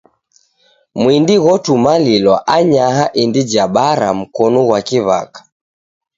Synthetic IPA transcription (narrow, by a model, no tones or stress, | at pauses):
mwindiɣɔtumalilwaʔaɲaɦaʔindid͡ʒaɓaɾa̰m̩kɔnuwakiβa̰kḁ